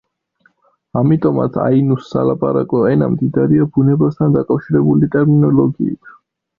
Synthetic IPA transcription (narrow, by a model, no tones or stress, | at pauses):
amit̪ʼɔma̰t̪sʰa̰inusːa̰lapʼaɾakʼɔɛna̰md̪id̪aɾiabunɛbast̪ʰand̪akʼafʃiɾɛbulit̪ʼɛɾminɔlˠɔɡiit̪ʰ